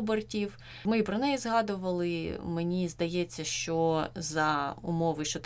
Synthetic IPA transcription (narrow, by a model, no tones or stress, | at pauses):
bertʲiw | mɪpɾɔnɛjizɦɑd̪ʊʋɐlˠɪmenʲizd̪ɐjɛt͡sʲːɐʃt͡ʃɔzɐʊ̰mɔʋɪʃt͡ʃɔt̪